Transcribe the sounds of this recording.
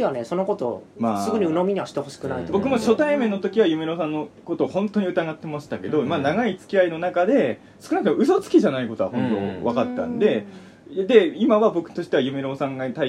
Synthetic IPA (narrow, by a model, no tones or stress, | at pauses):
iβaneso̞noko̞t̪o̞̰maːsɨɡɯ̟ɲ̟iɯ̟nomʲiɲ̟iβaɕi̥t̪eho̞ɕi̥kɯ̟na̰it̪obo̞kɯ̟mo̞ɕo̞t̪aimẽ̞nːo̞t̪o̞kʲiβajɯ̟me̞ɾo̞s̬ãnːo̞ko̞t̪o̞ːhõ̞nt̪o̞ɲ̟iɯ̟t̪aɡat̪ːe̞maɕi̥t̪ake̞d̪o̞manaɡait͡sɨ̥kʲiaino̞nakad̪e̞ | sɨ̥kɯ̟nak̟̪eɯ̟so̞t͡sɨ̥kʲiʑanaiko̞t̪o̞βahõ̞nt̪o̰βakat̪ːã̰nd̪e̞ | d̪e̞imaβabo̞kɯ̥t̪o̞ɕi̥t̪e̞βajɯ̟me̞ɾo̞sãŋɡat̪a